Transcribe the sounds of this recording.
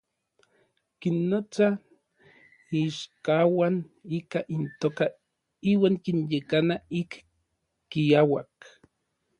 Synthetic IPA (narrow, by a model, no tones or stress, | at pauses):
kinːot͡sa | iʃkawanikaʔint̪oːka | iːwaːŋkinjekanaikː | iawak